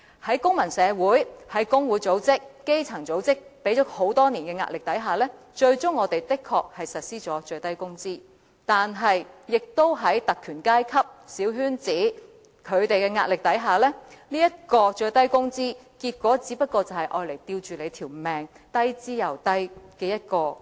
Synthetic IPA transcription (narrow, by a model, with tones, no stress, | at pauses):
hɐ˨˥jkʊ˥ŋmɐ˨˩nsɛː˨˧wuː˨˥jhɐ˨˥jkʊ˥ŋwuː˨˥jt͡so˨˥wt͡sɪ˥k̚ke˥jt͡sʰɐ˨˩ŋt͡so˨˥wt͡sɪ˥k̚pe˨˥jt͡ʃɔː˨˥k̚ho˨˥wt̪ɔː˥ni˨˩nkɛː˧ŋa̰ː˧t̚lɪ˨k̚t̪ɐ˨˥jɦaː˨˩lɛː˥ | t͡ʃɵ˧ɥt͡ʃʊ˥ŋːɔː˨˧t̪e˨˩jt̪ɪ˥kʰːɔː˧k̚hɐ˨jsɐ˨t̚siː˥t͡ʃɔː˨˥t͡ʃɵ˧t̪ɐ˥jkʊ˥ŋt͡siː˥ | t̪aː˨nɦɐ˨jːɪ˨k̚t̪o˥wɦɐ˨˥jt̪ɐ˨kʰːyː˨˩nkaː˥jkʰɐ˥p̚siː˨˥wɦyː˥nt͡siː˨˥ | kʰɵ˨˧ɥt̪e˨jkɛː˧ŋaː˧tlɪ˨k̚t̪ɐ˨˥jɦaː˨lɛː˥niː˥jɐ˥t̚kɔː˧t͡ʃɵ˧ɥt̪ɐ˥jkʊ˥ŋt͡siː˥ | kiː˧t̚kʷɔː˨˥t͡siː˨˥pɐ˥t̚kɔː˧t͡sɐ˨whɐ˨jʔɔː˧jle˨˩jt̪iː˧wt͡ʃyː˨le˨˧t̪ʰiː˨˩wmɛː˨ŋ | t̪ɐ˥jt͡siː˥jɐ˨˩wt̪ɐ˥jkɛː˧jɐ˥t̚kɔː˧